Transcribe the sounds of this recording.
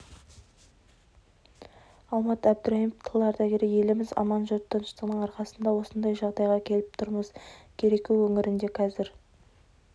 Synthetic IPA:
ɑlˠmɑt̪æb̚d̪ʏɾɑiməpt̪ʰəlˠɑɾd̪ɑɡʲeɾeje̞lɪmɪzɑ̰mɑnʒot̪ʰːənəʃt̪əʁnəɴɑɾqɑsənd̪ɑwo̞sənd̪ɑjʒɑʁd̪ɑjʁɑkʲʰe̞lɪp̚t̪ʰʊɾməzkʲʰe̞ɾe̞kʲuwɵŋɪɾɪnd̪e̞qʰɑzɪɾ

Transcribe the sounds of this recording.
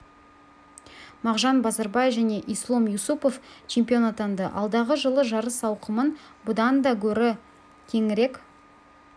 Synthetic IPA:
mɑʁʒɑnbɑzɑɾbɑjefʒæne̞ʔijslˠo̞mjusupo̞ft͡ʃʰe̞mpijo̞nat̪ɑnd̪ə̰ʔɑ̰lˠd̪ɑʁəʒəlˠəʒɑɾəsɑwqəmən | bʊd̪ɑnd̪ɑkʲʰɵɾɪ | k̪ʲʰe̞ŋɪɾe̞k

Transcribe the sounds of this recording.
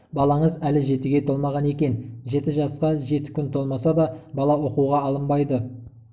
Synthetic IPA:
bɑlˠɑɴəzælɪʒe̞t̪uɡʲe̞t̪ʰo̞lˠmɑʁɑne̞kʲe̞nʒe̞t̪ɪʒɑsqɑʒe̞t̪ɪ̥kʲʰʏnt̪ʰo̞lˠmɑsɑd̪ɑbɑlˠɑwo̞quʁɑːlˠəmbɑjd̪ə

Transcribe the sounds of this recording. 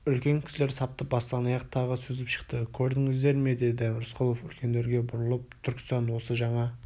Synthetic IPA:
ʏlkʲe̞ŋkʲʰɪsle̞ɾsɑp̚t̪əp̚bɑsɑnɑjɑqt̪ʰɑʁəsɵzɪpʃə̥qt̪əkʲʰɵɾd̪ɪŋɪzd̪e̞ɾme̞d̪e̞d̪ɪɾʊsqʰʊlˠofʏlkʲe̞nd̪e̞ɾɡʲe̞bʊɾəlˠəp̚t̪ʰʏɾkʲɪ̥sɑnwo̞səʒɑɴɑ

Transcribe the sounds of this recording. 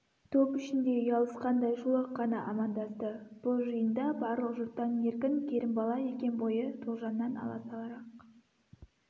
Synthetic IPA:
t̪ʰopʏʃɪnd̪e̞jɑlˠəsqɑnd̪ɑjʃulˠɑqːɑnɑʔɑmɑnd̪ɑst̪əb̥ʊlˠʒəjənd̪ɑbɑɾlˠəqʒʊt̪ːɑne̞ɾkʲɪŋkʲʰe̞ɾɪmbɑlˠɑje̞kʲe̞nbo̞jət̪ʰulʒɑmnɑnɑ̰lˠɑ̰sɑlˠɑɾɑq

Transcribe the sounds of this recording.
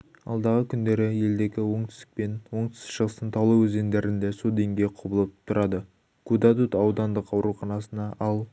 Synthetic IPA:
ɑ̰lˠd̪ɑʁəkʲʰʏnd̪e̞ɾɪje̞ld̪e̞kʲɪwo̞ɴt̪ɪ̥st̪ɪ̥k̚pe̞nwo̞ɴt̪ɪ̥sɪkʃəʁəst̪ənt̪ʰɑwlˠəwɵze̞nd̪e̞ɾɪnd̪esolˠd̪e̞ŋɡʲe̞jqʰobəlˠəp̚t̪ʰʊɾɑd̪ə | kʰud̪ɑt̪ut̪ɑwd̪ɑnd̪əqɑwɾuχɑnɑsənɑʔɑlˠ

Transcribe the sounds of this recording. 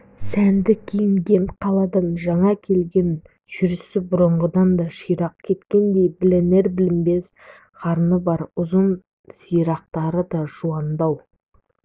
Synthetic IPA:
sænd̪ɪkʲʰijɪŋɡʲe̞ɴqʰɑlˠɑd̪ɑnʒɑɴɑkʲʰe̞lɡʲe̞n | ʒ̥ʏɾɪsɪbʊɾəɴʁəd̪ɑnd̪ɑʃijɾɑq̚kʲʰe̞t̪kʲe̞nd̪e̞jbɪlene̞ɾbɪlɪmbe̞s | χɑɾnəbɑɾʊzən | sijɾɑq̚t̪ɑɾəd̪ɑʒ̥uɑnd̪ɑw

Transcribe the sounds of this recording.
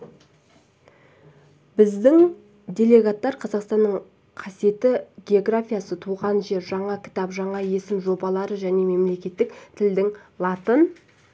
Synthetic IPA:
bɪzd̪ɪŋ | d̪ʲe̞lʲe̞ɡat̪ːɑɾqʰɑzɑqst̪ɑnːəɴ | qʰɑsije̞t̪ɪɡʲe̞o̞ɡɾafʲijasət̪ʰuʁɑnʒe̞ɾʒɑɴɑkʲʰɪ̥t̪ɑpʒɑɴɑje̞sɪmʒo̞bɑlˠɑɾəʒæne̞me̞mle̞kʲe̞t̪ːɪkt̪ʰɪld̪ɪŋlˠɑt̪ən

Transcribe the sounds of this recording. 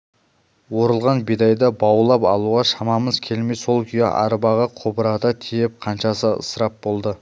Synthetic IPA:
wo̞ɾəlˠʁɑnbid̪ɑjd̪ɑbɑwəlˠɑpɑlˠuʁɑʃɑmɑməzkʲʰe̞lmejso̞lˠkʲʰʏjɑ̰ʔɑ̰ɾbɑʁəqʰobəɾɑd̪ɑt̪ʰijɪp̚qʰɑnʃɑsəə̰səɾɑp̚bo̞lˠd̪ə

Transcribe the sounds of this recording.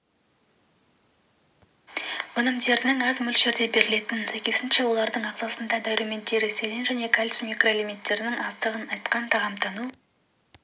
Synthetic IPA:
ʊnəmd̪e̞ɾnɪŋɑzmʏlʃe̞ɾd̪e̞be̞ɾɪle̞t̪ɪnsæjkʲe̞sɪnʃe̞wo̞lˠɑɾd̪əɴɑqzɑsənd̪ɑd̪awɾume̞nt̪ːe̞ɾɪse̞lenʒæne̞kʰalʲsmikro̞lʲimint̪ːe̞ɾɪnɪŋɑzt̪əʁənɑjt̪qɑnt̪ʰɑʁɑmt̪ʰɑnu

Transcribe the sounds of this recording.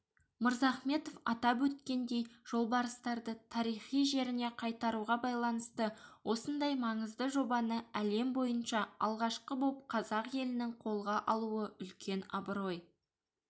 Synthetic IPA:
məɾzɑχme̞t̪o̞fɑt̪ɑpwɵt̪̚kʲe̞nd̪e̞jʒ̥o̞lˠbɑɾəst̪ɑɾd̪ət̪ʰɑɾijχijʒe̞ɾɪne̞qʰɑjt̪ɑɾuʁɑbɑjlˠɑnəst̪əwʔo̞sənd̪ɑjmɑɴəzd̪əʒo̞bɑnəæle̞mbo̞jənʃɑɑ̰lˠʁɑʃqəbo̞p̚qʰɑzɑqje̞lɪnɪŋqʰo̞lˠʁɑʔɑlˠuəʏlkʲʰe̞nɑ̰bəɾo̞j

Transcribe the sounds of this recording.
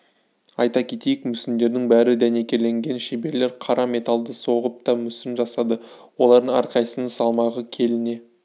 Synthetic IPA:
ɑjt̪ɑkʲʰe̞t̪ejɪkmʏsɪnd̪e̞ɾd̪ɪŋbæɾɪd̪æne̞kʲe̞le̞ŋɡʲe̞nʃebe̞ɾle̞ɾqʰɑɾʔɑme̞t̪alˠd̪əso̞ʁəp̚t̪ɑmʏsɪnʒɑsɑd̪əwo̞lˠɑɾd̪əɑ̰ɾqʰɑjsənsɑlˠmɑʁəkʲʰe̞lɪne̞

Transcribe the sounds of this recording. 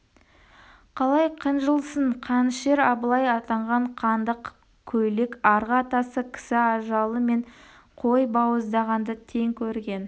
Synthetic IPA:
qʰɑlˠɑjqʰənʒəlˠsəɴqʰɑnʃe̞ɾɑbəlˠɑjɑt̪ɑɴʁɑɴqʰɑnd̪əq | kʲʰɵjlɪkɑɾʁɑt̪ɑsəkʲʰɪ̥sɪɑʒɑlˠəme̞ɴ | qʰojbɑwəzd̪ɑʁɑnd̪ət̪ʰe̞ŋkʲʰɵɾɡʲe̞n

